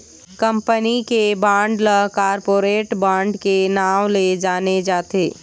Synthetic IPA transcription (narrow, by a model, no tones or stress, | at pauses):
kə̃mpənikebãːɳɖləkaːɾpoːɾeːʈbãːɳɖkenaːwled͡ʒaːned͡ʒaːt̪eː